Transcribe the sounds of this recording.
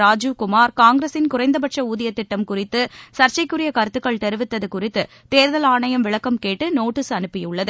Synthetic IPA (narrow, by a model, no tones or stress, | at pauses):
ɾaːd͡ʒɯkʊmaːɾkaːŋɡɾesɪnkʊrɐɪnd̪ɐbɐʈʂɐuːðɪjɐt̪ːɪʈːɐmkʊrɪt̪ːɯsɐɾt͡ʃɐɪkːʊrɪjɐkɐɾɯt̪ːɯkːɐɭt̪ɛɾɯʋɪt̪ːɐðɯkʊrɪt̪ːɯ | t̪eːɾðɐlaːɳɐjɐmʋɪɭɐkːɐmkeːʈːɯnoːʈːɪsɐnɯpːɪjɯɭːɐðɯ